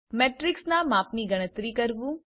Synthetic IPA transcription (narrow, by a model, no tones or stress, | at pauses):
meːʈɾɪksnamãːpniɡəɽ̃ət̪ɾikəɾʋũː